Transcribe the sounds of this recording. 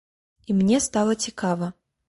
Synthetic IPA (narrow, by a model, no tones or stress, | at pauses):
imnʲɛst̪alˠɐt͡sʲikavɐ